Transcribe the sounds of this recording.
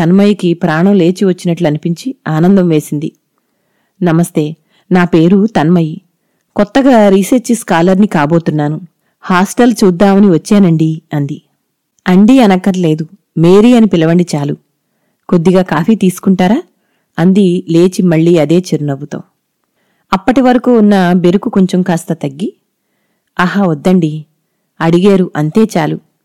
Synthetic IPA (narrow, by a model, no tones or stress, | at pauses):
t̪ɐnmɐjkipɾaːɳɐmle̞ːt͡ʃiʋɐt͡ʃːinɐʈluɐnipiɲt͡ʃiaːnɐnd̪ɐmʋe̞ːsind̪i | nɐmɐst̪e̞ː | naːpe̞ːɾut̪ɐnmɐji | kɔt̪ːɐɡaːɾiːsɐɾt͡ʃiskaːlɐɾnikaːbo̞ːt̪unːaːnu | haːsʈɐlt͡ʃuːd̪ːaːmɐniʋɐt͡ʃːɛːnɐɳɖiɐnd̪i | ɐɳɖiɐnɐkːɐɾle̞ːd̪u | me̞ːɾiːɐnipilɐʋɐɳɖit͡ʃaːlu | ko̞d̪ːiɡaːkaːfiːt̪iːsu̥kuɳʈaːɾaː | ɐnd̪ile̞ːt͡ʃimɐɭːiːɐd̪e̞ːt͡ʃeɾunɐbut̪o̰ː | ɐpːɐʈiʋɐɾɐkuːnːɐbe̞ɾukuko̞ɲt͡ʃɐmkaːst̪ɐt̪ɐɡːi | ɐɦaːɐd̪ːɐɳɖi | ɐɽiɡeːɾuʔɐnt̪e̞ːt͡ʃaːlu